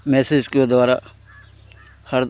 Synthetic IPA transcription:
mɛːsɪd͡ʒked̪ʊaːɾa | həɾd̪

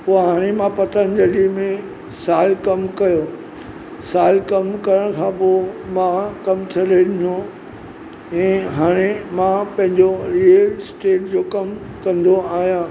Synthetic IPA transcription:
poːɦaːɽ̃emãpɐt̪añɪ̆d͡ʑɐlimẽ | saːlkɐmkɐjo | saːlkɐmkɐɾəɽ̃kʰãːpomãkɐmt̪ʰɐɾeɗɪno | ɛ̃ːɦaːɽ̃emãpɐ̃ɦɪ̃ɲd͡ʑoɾiəlsʈeːʈd͡ʑoːkɐm | kɐ̃nd̪oaːɦijãː

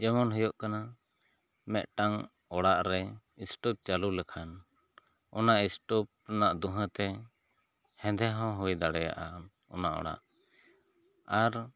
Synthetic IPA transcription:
d͡ʒɛmɔnɦɔjɔʔkana | mɛʔ̪ʈaŋ | ɔɽaʔɾɛ | isʈɔp̚t͡ʃalulɛkʰan | ɔnaʔisʈɔp̚naʔd̪uɦə̃t̪ɛ | hɛ̃d̪ʱɛɦɔ̃ɦɔjd̪aɽɛja̰ʔa | ɔ̰naʔɔ̰ɽa̰ʔ | aɾ

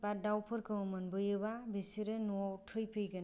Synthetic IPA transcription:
badawpʰɯɾkʰɯmmɯnbɯjɯbabisiɾɯnuawtʰɯjpʰɯjɡɯn

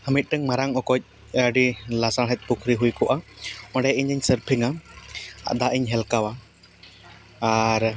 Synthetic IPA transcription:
həmit̪̚ˀʈəŋmaɾaŋɔkɔc̚ | ɛaɖilasaɽɦɛt̪̚ˀpukʰɾiɦujkɔʔaɔ̃ɖɛʔiɲəɲsəɾpʰiŋa | a̰d̪aʔiɲɦɛlkawa | aɾ

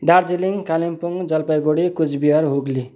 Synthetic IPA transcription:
d̪aɾd͡ziliŋkalimpuŋd͡zʌlpajɡoɽikut͡sʰbiɦʌɾɦuɡli

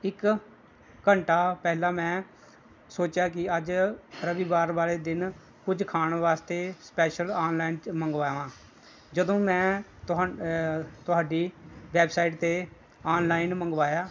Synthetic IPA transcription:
ɪkː | əɳʈaːpɛːɦlaːmɛ̃ː | soːt͡ʃjaːkɪəd͡ʒɾəʋiːbaːɾbaːleːd̪ɪn | kʊd͡ʒkʰaːɳʋaːst̪eːspɛːʃəlaːnlaːinməŋɡʋaːʋãː | d͡ʒəd̪õːmɛ̃ːt̪ʊ | t̪ʊɦaːɖiːʋɛːbsaːiʈt̪eː | aːnlaːɪnməŋɡʋaːjaː

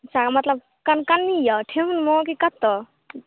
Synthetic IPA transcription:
t͡ʃʰakmɐt̪ləb̚ | kankanːijɔʈʰeɦunmɔk̬ikat̪ːɔ

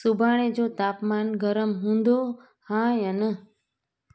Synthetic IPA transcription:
subʱaɽ̃ẽd͡ʒot̪aːpmanɡəɾəmɦũnd̪o | hãjənə

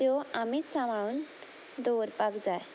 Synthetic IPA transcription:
joamit̪samaɭuːn | d̪oɾpakd͡zaj

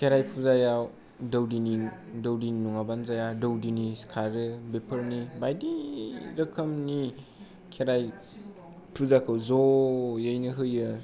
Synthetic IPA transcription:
kʰeɾajpʰuzajaw | dɐwdini | dɐwdininuŋabanzajadɐwdiniskʰaɾɯbepʰɐɾnibajdiɾɐkʰɐmni | kʰeɾaj | pʰuzakʰɯwzojajnɯɦɯjɯ

